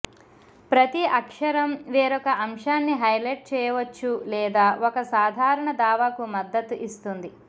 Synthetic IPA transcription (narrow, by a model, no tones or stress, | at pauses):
pɾɐt̪iɐkʂɐɾɐmʋɛːɾɔkɐʔɐmʂaːnːiɦɐjlɐjʈ̚t͡ʃɛːjɐʋɐt͡ʃːulɛːd̪aːʔɔkɐsaːd̪ʱaːɾɐɳɐd̪aːʋaːkumɐd̪ːɐt̪uʔist̪und̪i